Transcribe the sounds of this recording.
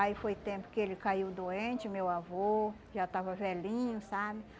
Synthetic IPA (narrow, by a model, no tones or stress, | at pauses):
aifojt̪ẽpʊ̥kɪelɪkaiwd̪oẽnt͡ʃɪʊmewavo | ʒat̪avɐvɛlĩɲʊsabɪ